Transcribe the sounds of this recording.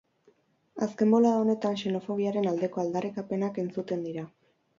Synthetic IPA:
a̰ske̞mbo̞laone̞t̪anʃe̞no̞fo̞ɣ̞iaɾe̞nald̪e̞ko̞ald̪arikape̞nake̞nt͡sut̪e̞nd̪iɾa

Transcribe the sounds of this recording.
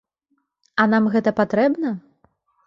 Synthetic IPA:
ɐn̪amɣɛt̪ɐpat̪ɾɛbnɐ

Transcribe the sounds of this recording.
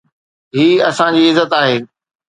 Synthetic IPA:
ɦiːɐsãd͡ʑiːɪzːət̪aːɦeː

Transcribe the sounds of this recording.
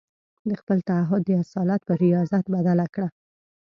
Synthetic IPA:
d̪əxpəlt̪aaɦʊd̪ːəasɑlat̪pəɾijɑzat̪bad̪alakɽa

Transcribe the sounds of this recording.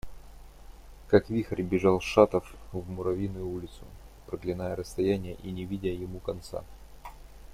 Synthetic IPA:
kakvʲixəɾʲbʲɪʐalˠʂat̪əfvmʊɾɐvʲinːʊjʊulʲɪt̪sʊ̰ | pɾəɡlʲɪnajəɾəst̪ɐjænʲɪjəʔinʲɪvʲidʲɪjɪmukɐnt̪sa̰

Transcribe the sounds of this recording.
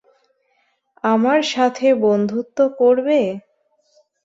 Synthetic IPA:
amaɾʃat̪ʰebond̪ʱut̪ːokoɾbe

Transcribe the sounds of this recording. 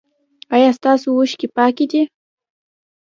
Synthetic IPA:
ajast̪asʊʊʃkɪpakɪt̪ɪ

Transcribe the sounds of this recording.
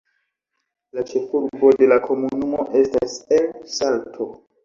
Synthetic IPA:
lat͡ʃe̞fuɾbo̞de̞lakʰo̞munumo̞ʔe̞staselsaltʰo̞

